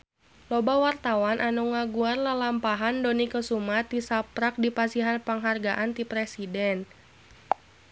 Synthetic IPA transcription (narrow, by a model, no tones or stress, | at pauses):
lɔbawart̪awanʔanuŋaɡuarlalampaɦandonikəsumat̪ːisapɾak̚dipasiɦanpəŋɦarɡaʔant̪ipɾɛsidɛn